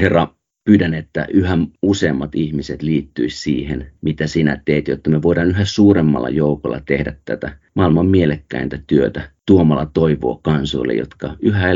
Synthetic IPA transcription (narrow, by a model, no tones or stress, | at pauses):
herːɑ | pyːdænet̪ːæ̰ʔyɦæmuseːmːɑt̪ihmiset̪liːt̪ːyissḭːhenmit̪æsinæ̰t̪eːt̪jot̪ːɑmeʋoiɾɑːnyɦæsuːremːɑ̰lːɑ̰joukolːɑ̰t̪ehdæt̪tːæt̪æmɑilmɑmmielekːæint̪æt̪yøt̪æt̪uomɑlːɑt̪oiʋo̰ːkɑnso̰ilːḛjo̰t̪kɑyhæ